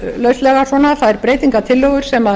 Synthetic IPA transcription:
lœɥst̪lɛɣḁvɔːnaθaðɛɾpɾeːjt̪iŋkat̪ʰɪlːɔwɣʏɾ̥sɛma

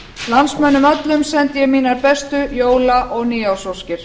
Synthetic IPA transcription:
lansmœnːʏmœt̪lʏmsɛnt̪jɛɣmiːnaɾpɛst̪ʏjoːwlaʔɔɣniːawsowscɪɾ̥

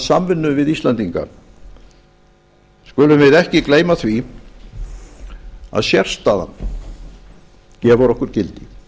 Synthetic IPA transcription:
samvɪnːʏvɪðist̪lant̪iŋka̰ | skʏlʏmvɪðɛhcɪkleːjmaθvi | a̰ðsjɛr̥st̪aða̰n | cɛːvaɾɔhkʏɾ̥cɪlt̪ɪ

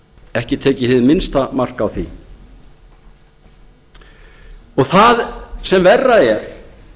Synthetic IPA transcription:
ɛhcɪt̪ʰeːcɪθɪðmɪnst̪amar̥kawθi | ɔɣθaðsɛmvɛrːaɛɾ̥

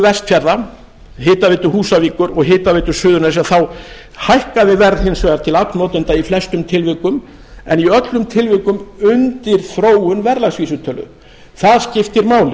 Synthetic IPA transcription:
vɛst̪fjaɾða | ɦɪːt̪avɪːt̪ʏhuːsaviːkʏɾɔɣɦɪːt̪avɪːt̪ʏ̥sʏːðʏɾnasaθaw | hajhkaðɪvɛɾðhɪnsvɛɣaɾt̪ʰɪlap̪nnɔːt̪ʏnt̪aiflɛst̪ʏmt̪ʰɪlvɪkʏm | ɛ̰niœt̪lʏmt̪ʰɪlvɪkʏmʏnt̪ɪɾ̥θɾoːwʏnvɛɾlaɣsviːsʏt̪ʰœlʏ̰ | θaðscɪft̪ɪɾmaːwlɪ

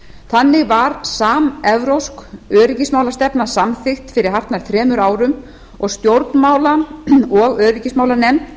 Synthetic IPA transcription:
θanːɪɣvaɾsaːmɛvɾowskœːɾɪcɪsmaːwlast̪ɛpnasamθɪxt̪fɪɾɪɾ̥hɦar̥t̪naɾ̥t̪ʰɾɛːmʏɾaːwɾʏm | ɔɣst̪jowɾt̪nmaːwlaɔɣœːɾɪcɪsmaːwlanɛm

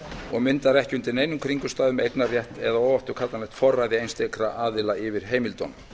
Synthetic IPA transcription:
ɔɣmɪnt̪aɾɛhcɪʏnt̪ɪɾnejnʏmkʰɾiŋkʏst̪aːðʏmejknarjɛht̪ɛðaoːwvaft̪ʏ̥kʰat̪anɛht̪fɔrːajðɪejnst̪ekɾaʔaːðɪlaʔɪvɪɾ̥ɦeːjmɪlt̪ɔn

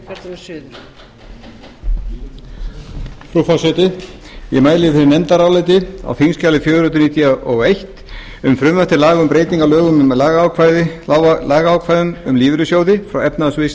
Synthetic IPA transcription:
fɾufɔsɛt̪ɪ | jɛmaːjlɪfɪɾɪɾnɛmt̪aɾaːwlajt̪̬ɪa̰wθinscaːlɪfjœːðɾʏːt̪ʏɾniːt̪jaɔɣejht̪ | ʏmfɾʏmvaht̪ɪlaːɣʏmpɾeːjt̪iŋkalœːɣʏmmɛlaːɣaːwkʰvajðɪaːɣaaːwkʰvajðʏnʏmliːvɾʏsjoːwðɪfɾawɛpnaðasvɪs

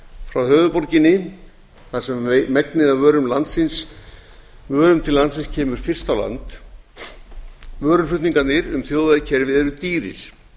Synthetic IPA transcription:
fɾawhœːvʏpɔɾcɪnːɪ | θḁsɛmmɛknɪðavœːɾʏmlant̪sɪns | vœːɾʏmt̪ʰɪllant̪sɪnscʰɛːmʏɾ̥fɪr̥st̪awla̰nt̪ | vœːɾʏflʏht̪niŋkat̪nɪɾʏmθjoːwðaðɪcʰɛɾvɪðɛɾʏt̪iːɾɪ̰ɾ̥

